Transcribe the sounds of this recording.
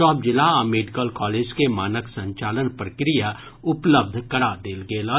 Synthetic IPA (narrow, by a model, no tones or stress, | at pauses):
ɔːp̚d͡ʒɪlaameːɖɪkəlkɔːleːd͡ʒkemaːnəksɐ̃ɲt͡ʃaːlənpɾəkɾija | ʊpləb̚d̪ʱkɐɽad̪eːlɡeːlː